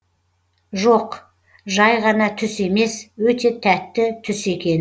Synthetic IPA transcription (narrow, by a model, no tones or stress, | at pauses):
ʒoq | ʒɑjʁɑnɑt̪ʰʏse̞me̞swɵt̪e̞t̪ʰæt̪ːɪt̪ʰʏse̞kʲe̞n